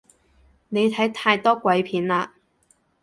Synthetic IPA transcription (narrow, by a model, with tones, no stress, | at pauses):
ne˨˧jt̪ʰɐ˨˥jt̪ʰaː˧jt̪ɔː˥kwɐ˨˥jpʰiː˨˥nlaː˧